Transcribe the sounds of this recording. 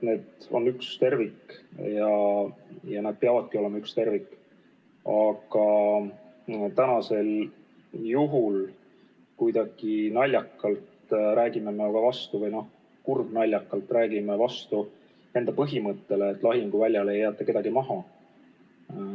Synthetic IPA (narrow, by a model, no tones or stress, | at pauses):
ne̞ːd̪o̞̰nːykst̪e̞rvikːjɑ | jɑneːd̪̥̚peɑvɑd̪̥̚kio̞le̞mɑykst̪e̞rvikːˑ | ɑɡ̥ɑ | t̪ænɑse̞l | juɦul | kujd̪̥ɑɡ̥inɑlʲjɑkːɑlt̪ɾæːɡ̥imemeoɡ̥ɑvɑst̪uvɤjno̞h | kurb̥nɑlʲːjɑkˑːɑlt̪ˑræːɡimevɑst̪u | e̞nd̪̥ɑpɤɦimɤt̪ːe̞leːt̪ːˑlɑɦiŋɡ̥uvælʲjɑle̞jːæːt̪ːˑɑke̞d̪̥ɑɡimɑɦɑ